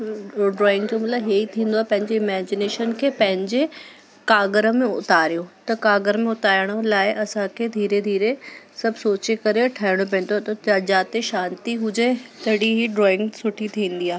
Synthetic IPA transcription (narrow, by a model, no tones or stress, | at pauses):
ɖɾɔːɪ̃ŋɡd͡ʑoːmɐt̪ləbɦieit̪ʰĩːn̆d̪oaːepɐ̃ɦɪ̃ɲd͡ʑeɪmɛːd͡ʑɪneːʃənkʰeːpɐ̃ɦɪ̃ɲd͡ʑe | kaːɡɾə̆mẽʊ̰t̪aːɾijot̪ɐkaːɡəɾmẽʊt̪aːəɽ̃əlaːɪʔɐsãkʰed̪ʱiːɾed̪ʱiːɾesɐbʱsoːt͡ɕekɐɾeʈʰaːɪɽ̃op̬ɐ̃ɦn̆d̪oat̪ɐd͡ʑaːt̪eʃãːnt̪iɦʊd͡ʑet̪ɐɦɪɽiɦiɖɾɔːɪ̃ŋɡsʊʈʰit̪ʰĩːn̆d̪iaːɦe